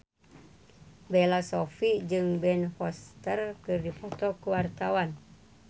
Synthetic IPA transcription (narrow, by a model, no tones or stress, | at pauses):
belasofiʔd͡ʒɨŋbɛnfɔst̪ərkɨrdipɔt̪ɔkuwart̪awan